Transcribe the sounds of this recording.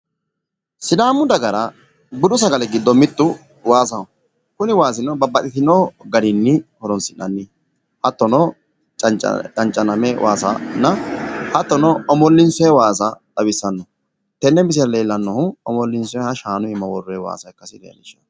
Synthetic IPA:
sɪd̪aːmːʊd̪ɐɡɐɾɐ | bʊd̪ʊs̬ɐɡɐlɛɡɪd̪ːɔmɪt̪ːʊ | waːs̬ɐʊ | kʊnɪwaːs̬ɪnɔbɐbːɐt̪ʼɪt̪ɪnɔːɡɐd̪ɪnːɪhɔɾɔnsɪnʔɐnːiː | hɐt̪ːɔnɔ | t͡ʃʼɐt͡ʃt͡ʃʼɐnt͡ʃʼːɐnɐmɛwʔa̰ːsɐ̰nːɐhɐt̪ːɔnɔɔmɔlːɪnsɔɛwaːsɐd̪ɐbɪsːɐnːɔ | t̪ɛnːɛmɪs̬ɪɾɐle̞ːlːɐnːɔhʊɔmɔlːɪnsɔɛhɐʃaːnʊɪmːɐwɔrʊɛwa̰ːsɐɛkːɐsɪd̪ḛjɐ̰nɪʃ

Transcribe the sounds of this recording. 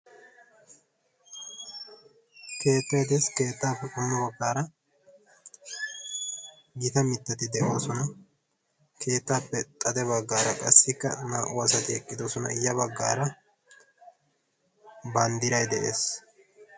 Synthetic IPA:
ke̞ːt̪ːɐjd̪ɛske̞ːt̪ːaːpːɛkʊnɐbɐɡːaːɾɐ | ɡɪt̪ɐmɪt̪ːɐt̪ɪd̪ɛʔoːsɔnɐ | kʰe̞ːt̪ːaːpːɛt̪ʼɐd̪ɛβɐɡːaːɾɐkʼɐsːɪkːɐ̰naːʔɔɐsɐt̪ɪɛkʼːɪd̪osɔnɐ̰ɪjːɐβɐɡːa̰ːɾɐ | bɐnd̪ɪɾɐjd̪ɛʔeːs

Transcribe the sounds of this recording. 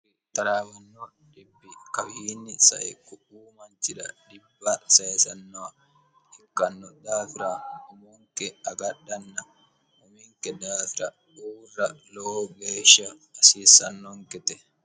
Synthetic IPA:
wit̪ːɐɾaːbɐnːɔ | ᶑɪbːɪkɐwiːnːɪsɐ̰ʔɛ̰kʊʔuːmɐnt̪ɪᶑɐ̰ᶑɪbːɐsɐjɛsɐnːɔa | ɪkːɐnːɔd̪aːfɪɾaɔmɔŋkɛɐɡɐɗːɐnːɐ | ɔmiŋkɛd̪aːfɪɾɐ | ᶑuːrːɐlooɡeːʃɐːsiːsɐnːɔŋkɛt̪ɛ

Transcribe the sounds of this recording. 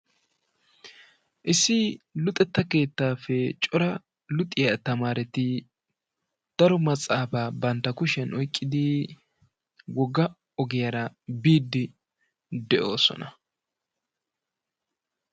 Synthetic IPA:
ʔɪsːɪlʊt̪ʼɛt̪ːɐke̞ːt̪ːaːfɛt͡ʃʼɔɾɐ | lʊt̪ʼɪjɐt̪ɐmaːɾɛt̪ɪ | d̪̥ɐɾɔmɐt͡sʼaːfaːbɐnt̪ːɐkʊʃɛnɔjkʼːɪd̪ɪ | wɔɡːɐ | ɔɡɛjɐɾɐbiːd̪ːɪ | d̪ɛʔo̞̰ːsɔ̰nɐ

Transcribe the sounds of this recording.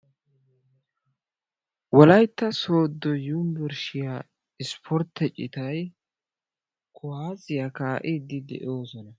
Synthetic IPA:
wɔlɐjt̪ːɐso̞ːd̪ːɔjumbɛɾʃɪja | ɪspʰɔɾt̪ːɛt͡ʃʼːɪt̪ɐj | kʰʊhaːzɪjɐkaːʔɪd̪ɪd̪ɛ̰ʔo̞ːsɔnɐ

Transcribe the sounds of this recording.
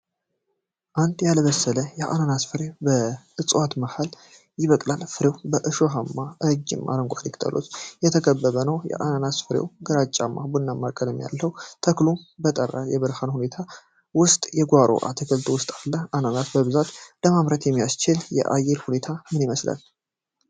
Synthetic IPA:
ʔand̪jaləβəsːələjɛʔananasfɨɾewbəɨt͡sʼwat̪mahal | jɪβəkʼlalfɨɾewbəʔɨʃoɦamːaʔɨd͡ʒːɪ̰mʔa̰ɾəŋɡʷʼalikt̪ʰə̰lo̰sjɛt̪ʰəkəbːəβənəwjɛ̰ʔananasfɨɾḛwɡəɾat͡ʃʼamːabunːamːakʼələmja̰lːəwt̪ʰəklubət̪ʼərːajɛβəɾhanhune̞t̪ʰa | wʊst̪ʼjɛɡʷaɾʔo̰ʔa̰t̪ʰəkʰəlt̪ʰowʊst̪ʼalːəananat̪bəβɨzat̪ləmaβɾət̪jɛmːijast͡ʃɪljɛ̰ʔajːɛɾhune̞t̪ʰamɨniməsla̰l

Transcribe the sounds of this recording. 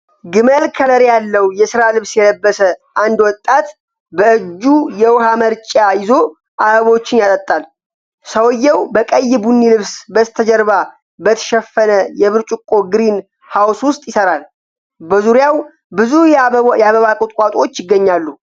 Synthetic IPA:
ɡɨməlkʰələɾjalːəwjɛsɨɾalɨβsjɛləbːəsəʔand̪wɔt̪ʼːat̪ | bəɨd͡ʒːujɛwɦaməɾt͡ʃʼajɪzo̞ | ʔaəβo̞t͡ʃːɪnjalət̪ʼːal | səwjːɛwbəkʼəjːɪbunːilɨβsbəst̪ʰəd͡ʒɛɾβa | bət̪ʰə̥ʃɛfːənəjɛβɨɾt͡ʃʼʊkʼːo̞ɡɨɾin | hawswʊst̪ʼjɪsəɾal | bəzuɾjaw | bɨzujjɛaβəβakʼʊt̪ʼkʼat̪ʼo̞t͡ʃːjɪɡːəɲːalːu

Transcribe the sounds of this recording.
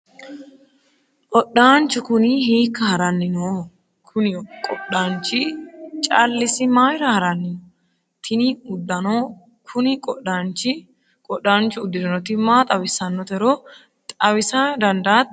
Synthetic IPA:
ʔɔɗaːnt͡ʃːʊkʊnɪɦiːkːɐhɐɾɐnːɪnoː | kʰʊnɪkʼɔɗaːnt͡ʃɪt͡ʃʼɐlːɪsɪmaːjɪɾɐhɐɾɐnːɪnɔ | t̪ʰɪniʊd̪ːɐno | kʰʊnɪkʼɔɗaːnt͡ʃɪ | kʼɔɗːaːnt͡ʃʊʊd̪ːɪd̪ɐnɔt̪ɪmaːt̪ʼɐwɪsɐnːɔt̪ɛɾoː | t̪ʼɐwɪsɐd̪ɐnd̪aːt̪

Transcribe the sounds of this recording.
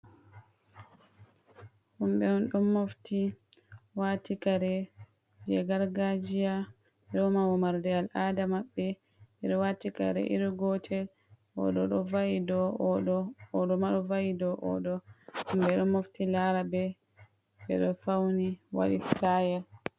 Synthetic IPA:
humbɛhunɗɔmːofti | watikaɾɛ | d͡ʒɛɡaɾɡad͡ʒija | ɗɔmawɔmaɾdɛalʔaːdamaɓːɛ | iɗɔwatika̰ɾɛ̰ʔḭɾiɡɔtʰɛl | ɔ̰ɗɔɗɔvajidɔɗɔːɗɔmaɗɔvajidɔʔɔ̰ɗɔhumbɛɗɔmoftilaɾabɛ | bɛ̰ɗɔfawniwa̰ɗislajal

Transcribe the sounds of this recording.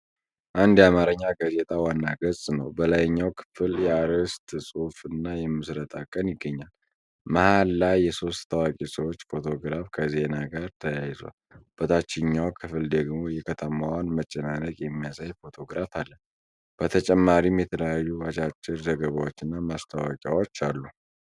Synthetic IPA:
ʔand̪jamaɾəɲːaɡaze̞t̪ʼawanːaɡəsʼnəwbəlajɲːawkʰɨ̥fɨljɛaɾəst̪ʼsʼofɨnːajɛmːɨsɾət̪ʼakʼːənjɪɡːəɲːal | məhalːajjɛso̞st̪t̪ʰəwakʼesəwo̞t͡ʃːfo̞t̪ʰo̞ɡɾafkʰəze̞naɡaɾt̪ʰəjajzwa̰lb̥ət̪ʰat͡ʃːɪɲːawkʰɨfɨld̪əɡmo̞jɛkʰət̪ʰəmawanmət͡ʃʼːɛnanəkʼjɛmːijasajfo̞t̪ʰo̞ɡɾafalːən | b̥ət̪ʰət͡ʃʼɛmːaɾimjɛt̪ʰələjajːuat͡ʃʼat͡ʃʼːɪɾzəɡəβawot͡ʃːɨnːamast̪ʰawakʼjawot͡ʃːalːu

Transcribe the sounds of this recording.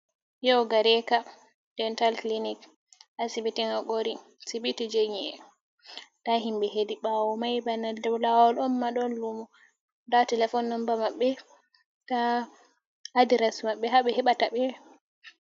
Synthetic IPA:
jɔwɡaɾɛka | d̥ɛntalklinik | asibitiŋaɡoɾi | sibitid͡ʒeɲiɛ̰ | d̥aɦimbɛhediɓawɔmajbanadɛblawɔlɔmːaɗɔnlumɔ | datɛlɛfɔnːɔmbamaɓːɛ | ta | diɾasmaɓːɛɦaɓɛhɛɓataɓɛ

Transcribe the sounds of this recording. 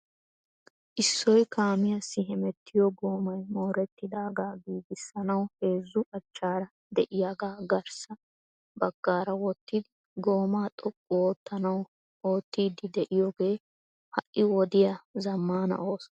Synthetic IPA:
ʔɪsːɔjkʰaːmɪjɐsːɪɦɛmɛt̪ʰːɪjɔɡo̞ːmɐjmo̞ːɾɛt̪ːɪd̪aːɡaːɡiːɡɪsːɐnɐwhe̞ːzːʊʔɐt͡ʃːaːɾɐ | d̪ɛʔɪjaɡaːɡɐɾsɐ | bɐɡ̥ːaːɾɐwɔt̪ːɪd̪ɪ | ɡo̞ːmaːt̪ʼɔpʼːɔoːt̪ːɐnɐw | o̞ːt̪ːiːd̪ɪd̪ɛʔɪjɔːɡe̞ː | hɐʔʔːɪwɔd̪ɪjazɐmːaːnɐ̰ʔo̞ːsɔ

